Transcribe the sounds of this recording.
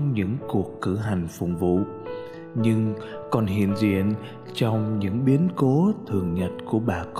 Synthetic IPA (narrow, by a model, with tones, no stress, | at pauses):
ɲɨ̰˧˥ŋku˨˩əkːɨ˧˩ɦa˨˩jŋ̟fʊ̰˧˨ŋ͡mvṵ˧˨ | ɲɨ˧ŋ | kɔ˨˩nɦḭ˧˨ənzḭ˧˨ən | t͡ɕɔ˧wŋ͡mɲɨ̰˧˥ŋɓi˨˦ənko˨˦t̪ʰɨ˨˩əŋɲə˨˩t̚ku˧˩əɓaː˨˩k